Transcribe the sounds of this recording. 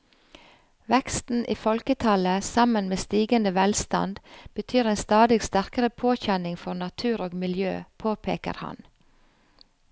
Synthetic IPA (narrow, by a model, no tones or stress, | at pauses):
ʋɛkst̪n̩ʔiːfɔlkət̪ʰɑləsɑmənmeːst̪iːɡənd̪əʋɛlst̪ɑ̰nd̪b̥ət̪ʰyːɾeːnst̪ɑːd̪ɪɡst̪æɾkəɾəpʰoːçɛnɪŋfɔnɑt̪ʰʉːɾoːɡmɪljø̰ːpʰoːpʰḛːkə̰ɾhɑ̰n